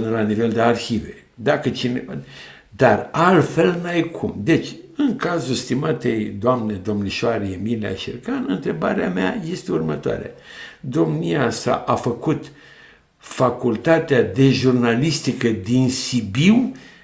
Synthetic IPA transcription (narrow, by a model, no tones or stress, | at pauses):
ɨnelanive̞ld̪e̞arçive̞ | d̪akət͡ʃine | d̪aralt̪fe̞lnajkʰumd̪e̞t͡ʃʲɨŋkazulst̪imat̪ejd̪oamned̪o̞mniʃoaɾeemilia̰ʃirkanɨnt̪ɾe̞ba̰ɾeamea̰je̞st̪eurmət̪oa̰ɾea̰d̪o̞mniasa̰ʔafəkut̪ | fakult̪at̪ead̪e̞ʒurnalist̪ikəd̪insibiw